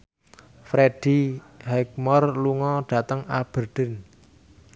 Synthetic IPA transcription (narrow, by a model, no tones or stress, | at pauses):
fɾeɖ̥i | ɦɛk̚mɔrluŋɔɖ̥ä̤t̪əŋab̥ə̤rd̥ə̤n